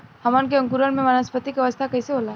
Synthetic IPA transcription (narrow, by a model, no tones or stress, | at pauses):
hɐmənk̬eɐ̃ŋkuɾənmẽmɐnəspət̪ikɐʋəst̪ʰakɐɦiseɦoːla